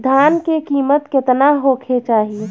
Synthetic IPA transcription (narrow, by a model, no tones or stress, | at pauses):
d̪ʱaːnkekiːmət̪kɪt̪naɦoːkʰet͡ʃaːɦi